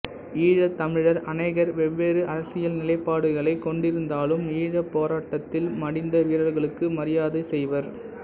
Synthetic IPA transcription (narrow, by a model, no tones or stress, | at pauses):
iːɻɐt̪ːɐmɪɻɐɾɐnɐɪɣɐɾʋɛʋːeːɾɯʔɐɾɐsɪjɐlnɪlɐɪpːaːɽɯɣɐɭɐɪkɔɳɖɪɾɯnd̪aːlɯmiːɻɐpːoːɾaːʈːɐt̪ːɪlmɐɽɪnd̪ɐʋiːɾɐlɣɐɭɯkːɯmɐɾɪjaːðɐsɛjʋɐɾ